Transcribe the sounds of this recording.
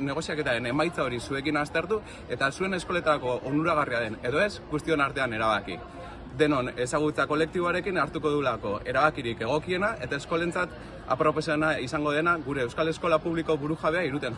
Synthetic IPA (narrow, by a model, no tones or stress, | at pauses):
ne̞ɣ̞o̞siake̞t̪aɾe̞ne̞majt͡sao̞ɾisue̞kinast̪e̞ɾt̪u | e̞t̪asue̞ne̞sko̞le̞t̪aɾako̞ʔond̪uɾaɣ̞ariaðe̞ne̞ðo̞e̞sɡust̪io̞naɾt̪e̞ane̞ɾaβ̞akḭ | d̪e̞no̞ne̞saɣ̞ut͡sako̞le̞k̚t̪iβo̞aɾe̞kinaɾt̪uko̞ðulako̞e̞ɾaβakiɾike̞ɣ̞o̞kie̞naʔe̞t̪ae̞sko̞le̞nt͡sat̪ | a̰pɾo̞po̞senaisaŋɡo̞ðe̞naɣuɾe̞ːwskale̞sko̞lapuβliko̞βuɾuʝaβ̞e̞aiɾut̪e̞n